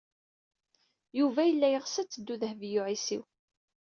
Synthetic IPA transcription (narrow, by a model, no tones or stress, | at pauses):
juvæjəlːæjəʁsæt͡sːəd̪ːuðhvjʊʕisḭw